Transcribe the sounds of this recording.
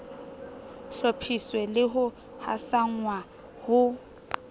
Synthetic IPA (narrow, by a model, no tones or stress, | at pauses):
ɬɔpʰiswɛlɪɦʊ | ha̰saŋ̩wa | hʊ